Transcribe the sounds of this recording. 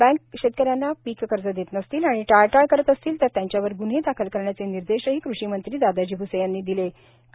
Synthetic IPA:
bɛ̃ŋkɕet̪̚kəɾjanːapikkəɾd͡zəd̪jet̪nəst̪iːlaɽ̃iʈajʈajkəɾət̪əst̪iːlt̪əɾt̪jaɲt͡ɕjaʋəɾɡun̤ɦed̪akʰəlkəɾɳjat͡seniɾd̪eɕəɦiːkɾuɕiːmənt̪ɾiːd̪ad̪ad͡ʑiːbusəjanːiːd̪ile | k

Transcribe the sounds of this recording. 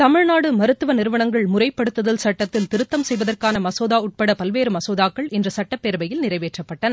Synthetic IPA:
t̪ɐmɪɻnaːɽɯmɐɾɯt̪ːɯʋɐnɪɾɯʋɐnɐŋɡɐɭmʊrɐɪpːɐɽɯt̪ːɐðɐlsɐʈːɐt̪ːɪlt̪ɪɾɯt̪ːɐmsɛjʋɐðɐrkaːnɐmɐsoːðaːʊʈ̚pɐɽɐpɐlʋeːɾɯmɐsoːðaːkːɐɭɪndrɐsɐʈːɐpːeːɾbɐjɪlnɪrɐɪʋeːʈrɐpːɐʈːɐnɐ

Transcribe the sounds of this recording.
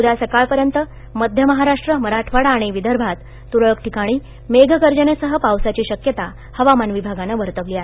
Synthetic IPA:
ud̪asəkaɭpəɾjənt̪ə | məd̪ʱjəməɦaɾaʂʈɾəməɾaʈʰʋaɽaːɽ̃iʋid̪əɾbʱat̪ːuɽəɭkʈʰikaɽ̃iː | meɡʱɡəɾd͡ʑənesəɦəpawsat͡ɕiːɕəkjət̪a | həʋamanʋibʱaɡanəʋəɾt̪əʋliːaɦe

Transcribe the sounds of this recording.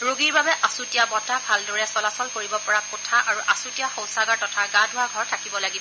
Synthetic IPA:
ɹoɡiɹbabɛʔasutijamɔtabʱaldɔɹɛsɔlasɔlkoɹibɔpɔɹakotʰaʔaɹuʔasutijaxɔ̃w̃saɡaɹtɔtʰaɡãdʱʊwaɡʱɔɹtʰakibɔlaɡibɔ

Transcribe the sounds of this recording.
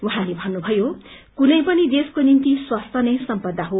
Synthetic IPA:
wuɦãlebʱʌnːubʱʌjokunʌjpʌnid̪eskonint̪iswast̪ʰʌnʌjsʌmpʌd̪ːaɦo

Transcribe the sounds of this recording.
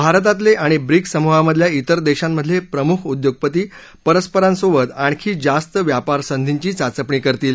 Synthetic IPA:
bʱaɾt̪̬at̪̬leʔaɽ̃ibɾiksəmuɦaməd̪ʱljait̪əɾd̪eɕamːəd̪ʱːjepɾəmukʰud̪joɡ̚pət̪iː | pəɾəspəɾãnsoʋət̪aɳ̃kʰiːd͡zast̪əʋjapaɾsənd̪ʱiɲt͡ɕiːt͡sat͡səpɳiːkəɾt̪iːl

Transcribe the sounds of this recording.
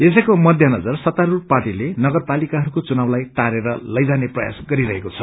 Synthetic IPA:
esʌkomʌd̪ʱjʌnʌd͡zʌrsʌt̪aɾurparʈilenʌɡʌrpalikaɦʌɾukot͡sunablajt̪aɾeɾʌlʌjd͡zaneprʌja̰sɡʌɾiɾʌɦekot͡sʰʌ

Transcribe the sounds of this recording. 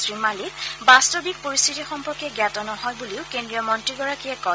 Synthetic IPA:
sɹimalibastobik̚poɹist̪ʰitixɔmpɔɹkɛɡjatɔnɔhɔjbuliʊkendɹiɔmɔntɹiɡɔɹakiɛkɔ

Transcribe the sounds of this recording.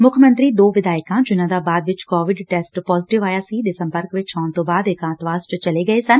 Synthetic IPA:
mʊkʰəmə̃nt̪ɾiːd̪oːʋɪd̪aːɪkãːd͡ʒʊnãːd̪aːbaːd̪ʋɪt͡ʃkɔːʋɪɖʈɛːsʈpɔːzɪʈɪʋaːjaːsiːd̪esə̃mpəɾkʋɪt͡ʃaːɳt̪õːbaːd̪ɪkãːt̪ʋaːst͡ʃt͡ʃəleːɡəeːsən

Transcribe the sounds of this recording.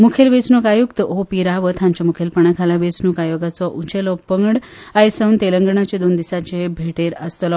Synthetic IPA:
mukʰelʋet͡snukajukt̪əɦopiɾaʋət̪ʰãɲt͡ɕamukʰelpəɳakʰalaʋet͡snuːkajoɡat͡sɔʔut͡ɕelɔpəŋɡɽ | ajsəwnt̪eləŋɡəɳat͡ɕed̪ond̪isat͡ɕebʱeʈeɾəst̪əlɔ

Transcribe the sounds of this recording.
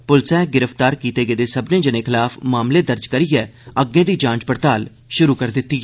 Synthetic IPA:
pʊlsɛ̃ːɡɪɾəft̪aːɾkiːt̪eːɡeːd̪eːsəbnẽːd͡ʒənẽːkʰɪlaːfmaːmleːd̪əɾd͡ʒkəɾiːjɛːəɡẽːd̪iːd͡ʒãːt͡ʃpəɾt̪aːl | ʃʊɾuːkəɾd̪ɪt̪ːiː

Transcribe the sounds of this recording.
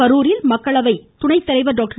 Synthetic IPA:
ɐɾuːɾɪlmɐkːɐɭɐʋɐɪt̪ʊɳɐɪt̪ːɪɾɐɪʋɐɖoːk̚ʈɐ

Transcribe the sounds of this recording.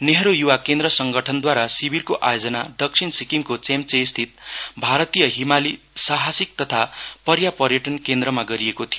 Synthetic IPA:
neɦɾojuwakend̪rʌsʌŋɡʌʈʰʌnd̪waɾasibʱirkoʔajod͡zʌna̰d̪ʌk̚sʰinsikiŋkot͡semt͡sest̪ʰit̪̚bʱaɾʌt̪ijʌɦimali | saɦasik̚t̪ʌt̪ʰapʌɾjapʌrjʌʈʌnkend̪ɾʌmaɡʌɾiekot̪ʰijo

